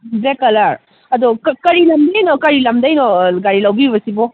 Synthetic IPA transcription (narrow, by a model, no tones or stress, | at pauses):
bekɐlɐɾ | ɐd̪ɔkkɐɾilɐmd̪ɐjnɔkɐɾilɐmd̪ɐjnɔɡaɽilɐwbibɐsibɔ